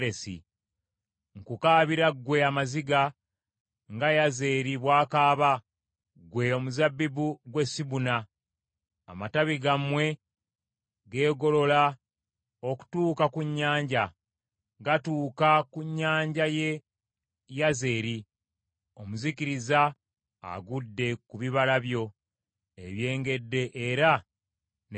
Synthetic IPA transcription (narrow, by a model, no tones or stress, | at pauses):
ɾesḭ | ŋkukaːβiɾaɡwe̞amaziɡa | ŋɡajaze̞ːɾiβwaːkaːβa | ɡwe̞o̞muzabːibuɡwe̞siβunaː | mataβiɡamwe̞ | ɡe̞ːɡo̞lo̞la | o̞ku̥tuːkakuɲːaːɲɟa | ɡatuːkakuɲːaːɲɟaje̞ | jaze̞ɾi | o̞muzikiɾiza | a̰ɡudːe̞kuβiβalaβjo̞ | e̞̰βje̞ːŋɡe̞dːe̞ʔeɾa | n